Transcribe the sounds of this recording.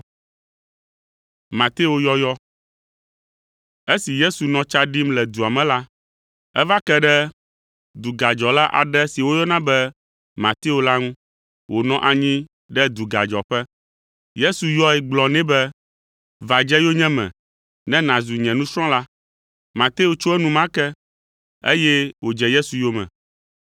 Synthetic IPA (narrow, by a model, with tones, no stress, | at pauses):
mã˨t̪e˦o˦jɔ˦jɔ˦ | e˦si˨je˦su˨nɔ̃˦t͡ʃa˦ɖi˦mlɛ˨d̪u˨a˨mɛ̃˨la˦ | ɛ˦va˦kɛ˦ɖɛ˦ | d̪u˨ɡa˨d͡ʒɔ˨la˦ʔa̰˨ɖɛ˦si˨wo˦jɔ˦nã˦bɛ˦ | mã˨t̪e˦o˨la˦ŋũ˦ | wʔo˨nɔ̃˦ʔa˨ɲĩ˦ | ɖɛ˦d̪u˨ɡa˨d͡ʒɔ˨ɸɛ˦ | je˦su˨jɔ˦ɛ˨ɡ͡blɔ̃˨nɛ̃˦bɛ˦ | va˨d͡ʒɛ˦jo˦ɲɛ̃˦mɛ̰̃˨ | nɛ̃˦nã˨zu˨ɲɛ̃˨nũ˦sɾ̃ɔ̃˦la˦ | mã˨t̪e˦o˨t͡ʃo˦ɛ˦nũ˦mã˦kɛ˦ | ḛ˦jɛ˦wo˨d͡ʒɛ˨je˦su˨jo˦mɛ̰̃˨